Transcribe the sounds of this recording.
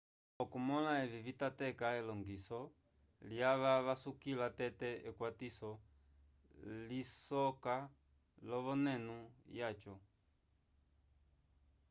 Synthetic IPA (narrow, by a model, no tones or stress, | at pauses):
ɔkumɔlaɛvivitatɛkaɛlɔŋɡisɔ | ljaʋaʋasukilatɛtɛɛkwatisɔ | lisɔka | lɔβɔnɛnujat͡ʃɔ